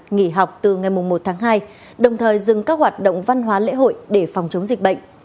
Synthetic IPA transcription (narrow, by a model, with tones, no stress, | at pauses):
ŋi˧˩ɦa˨˩wk͡p̚t̪ɨ˨˩ŋa˨˩jmʊ˨˩ŋ͡mmo˨˩t̚t̪ʰaː˨˦ŋɦaː˧j | ɗə˨˩wŋ͡mt̪ʰəː˨˩jzɨ˨˩ŋkaː˦˥k̚ɦwaː˨˩t̚ɗə̰˧˨wŋ͡mva˧nɦwaː˨˦lḛ˧˥ɦo̰˧˨jɗe˧˩fɔ˨˩wŋ͡mt͡ɕə˨˦wŋ͡mzï˨˩k̟̚ɓə̰˧˨ŋ̟